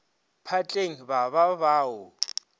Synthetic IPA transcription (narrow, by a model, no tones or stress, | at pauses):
pʰat͡ɬʼeŋ̩βaβaβaːʊ